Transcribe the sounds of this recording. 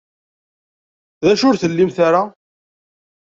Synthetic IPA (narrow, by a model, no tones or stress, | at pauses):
ðæʃʊɾθəlːimθaɾa